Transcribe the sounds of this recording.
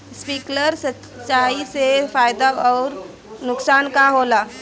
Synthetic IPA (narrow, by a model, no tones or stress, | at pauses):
spiːkləɾsə | t͡ʃaːisefaːjd̪aɔːɾ | nʊksaːnkaɦoːlaː